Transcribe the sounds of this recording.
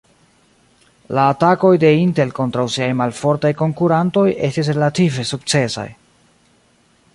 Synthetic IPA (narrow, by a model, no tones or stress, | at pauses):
laːtako̞jde̞inte̞lko̞ntɾawsiajmalfo̞ɾtajko̞ŋkuɾanto̞je̞stis̬ɾe̞lative̞suk̚t͡se̞sa̰j